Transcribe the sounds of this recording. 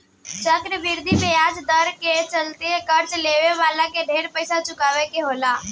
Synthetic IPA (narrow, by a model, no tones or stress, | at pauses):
t͡ʃəkɾəbɪɾd̪ʱibejaːd͡ʒd̪əɾket͡ʃəlt̪eɦekɐɾt͡ʃleːʋeʋaːlakeɖʱeːɾpəɪsat͡ʃʊkaːʋekeɦoːlaː